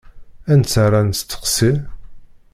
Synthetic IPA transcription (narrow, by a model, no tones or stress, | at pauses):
ænt͡sːarˤant͡st͡sːə̥qsi